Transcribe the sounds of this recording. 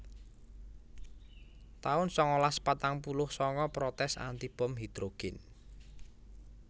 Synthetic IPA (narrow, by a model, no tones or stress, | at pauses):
t̪aʊnsɔŋɔlaspat̪aŋpulʊhsɔŋɔpɾɔt̪ɛsa̰nt̪ib̥ɔmɦid̪̥ɾoɡ̥ɪn